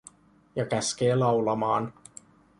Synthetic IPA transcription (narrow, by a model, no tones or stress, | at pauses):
jɑkæsk̟e̞ːlɑwlɑmɑːn